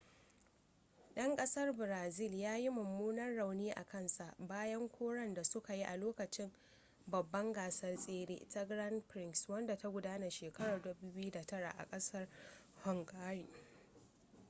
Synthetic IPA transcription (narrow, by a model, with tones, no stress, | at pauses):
ɗɐ˦ŋkʼɐ˦sɐ˦rbɪ˨ɾaː˨zɪ˦˨ljaː˦ji˦mʊ˨mːuː˦nɐ˦rːa˨wniː˦ʔa̰˨kʰɐ˦nsa˨ʔbaː˦jɐ˦ŋkʷʰoː˦ɽɐ˦nda˨sʊ˦ka˨ji˦ʔa˨loː˦kɐ˨t͡ʃɪ˦m | bɐ˨bːɐ˦ŋɡaː˨sɐ˦rsʼeː˦ɽḛː˦ta˦ɡɾɐ˦npɾɪ˦˨ŋswɐ˦nda˨ta˦ɡʷʊ˦daː˦na˨ʃeː˨kɐ˦ɽaː˨dɐ˦buː˦bɪ˦ju˦da˨tɐ˦ɽa̰˨ʔa̰˨kʼɐ˦sɐ˦rhɔ˨ŋɡaː˦ɾiː˨